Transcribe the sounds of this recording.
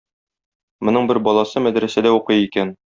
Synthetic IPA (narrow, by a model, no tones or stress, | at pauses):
mŏnɤɴbɘɾbɒlˠɑsɤmæd̪ɾæsæd̪æuqɤjikæn